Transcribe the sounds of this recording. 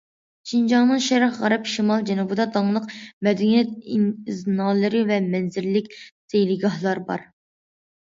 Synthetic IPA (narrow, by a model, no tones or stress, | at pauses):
ʃind͡ʒɑŋnɨŋʃɛɾæχʁɑɾɑpʃimɑlˠd͡ʒɛnubɨd̪ɑd̪ɑŋlˠəqmɛd̪ɛnijɛt̪̚iniznɑːlˠɨɾɨvɛmɛnzɪɾlɪkʲsʰejlɪɡɑhlˠɑɾbɑ̰ɾ